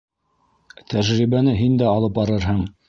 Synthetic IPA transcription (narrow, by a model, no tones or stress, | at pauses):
t̪ʰæʒɾiβænɘɦind̪æɑlˠɤp̚bɑɾɤɾɦɤɴ